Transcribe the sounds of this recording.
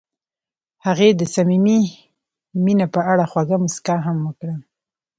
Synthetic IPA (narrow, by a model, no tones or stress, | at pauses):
haɣed̪əsamimi | minapəʔaɽaxwaɡamʊskaɦamwəkɽə